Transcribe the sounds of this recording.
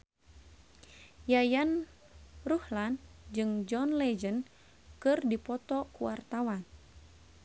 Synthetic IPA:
jajan | ruhland͡ʒɨŋd͡ʒɔnlɛd͡ʒən | kɨrdipɔt̪ɔkuwart̪awan

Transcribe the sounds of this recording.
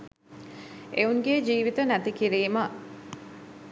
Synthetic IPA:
ʔeuŋɡeːd͡ʒiːʋit̪ɐnæt̪ikiɾiːmɐ

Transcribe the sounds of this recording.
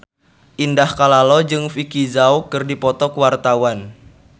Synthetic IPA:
ʔindahkalalɔd͡ʒɨŋfikizaukɨrdipɔt̪ɔkuwart̪awan

